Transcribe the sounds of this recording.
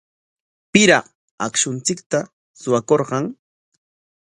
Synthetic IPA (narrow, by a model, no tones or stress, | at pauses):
pɪɾa | akʃʊnt͡sɪkt̪a | sʊwakoɾɢɑŋ